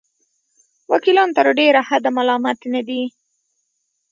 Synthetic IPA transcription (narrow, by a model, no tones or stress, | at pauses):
wakilɑnt̪aɾoɖeɾahad̪amalɑmat̪nad̪i